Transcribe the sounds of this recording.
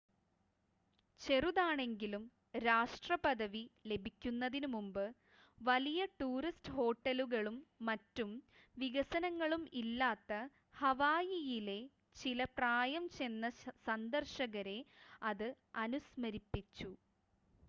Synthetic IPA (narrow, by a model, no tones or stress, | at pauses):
t͡ɕe̞ruðaːɳe̞ŋɡilum | ɾaːʂʈrɐpɐd̪ɐʋile̞bʱikʲːunːɐðinumumbɨ | ʋɐlijɐʈuːristɨho̞ːʈːɐluɣɐɭumːɐtːumʋiɣɐsɐnɐŋːɐɭumilːaːt̪ːɐ | hɐʋaːjijile̞ | t͡ɕilɐpraːjɐmt͡ɕe̞nːɐsɐnd̪ɐrʂɐɣɐɾe̞ɐðɨ | ɐnusmɐɾipːit͡ɕːu